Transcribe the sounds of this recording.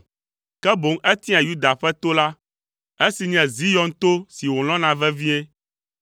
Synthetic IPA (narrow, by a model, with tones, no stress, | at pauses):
kɛ˦bo˨˦ŋʔɛ˦t̪ĩ˦ã˨ju˦d̪a˨ɸɛ˦t̪o˦la˦ | e˦si˨ɲɛ̃˨zi˦jɔ̃˦ŋ˦t̪o˦si˨wo˨l̃ɔ̃˦nã˨vɛ˦vi˦ɛ̃˦